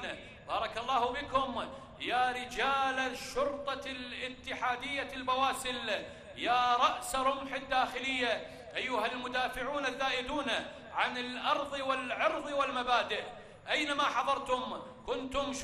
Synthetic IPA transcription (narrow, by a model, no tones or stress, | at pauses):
bɑːɾˤɑkɑlˤːɑːhbɪkʊm | jaːɾɪd͡ʒaːlaʃːʊɾt̪ˤɑlʔɪt̪ːɪħaːd̪ɪjːalbawaːsɪl | jaːɾˤɑʔsɾˤʊmħɪd̪ːaːxɪlɪjːa | ʔajːʊɦalmʊd̪aːfɪʕuːnaðːaːʔɪd̪uːn | ʕanɪlʔɑɾˤðˤwɪlʕɑɾðˤwɪlmabaːd̪ɪʔ | ʔajnamaħɑðˤɑɾˤt̪ʊm | kʊnt̪ʊmʃ